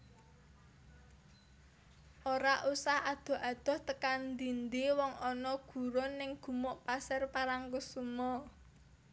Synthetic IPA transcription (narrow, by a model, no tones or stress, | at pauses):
ʔoɾaʔusahad̪̥ɔ̤ʔad̪̥ɔ̤ht̪əkand̪ind̪iwɔŋɔnɔɡ̥ṳɾʊnːɪŋɡ̥ṳmʊʔpasɪrpaɾaŋkusumɔ